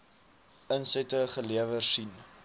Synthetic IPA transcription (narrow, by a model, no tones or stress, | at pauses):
ənsɛtəχəliəvərsin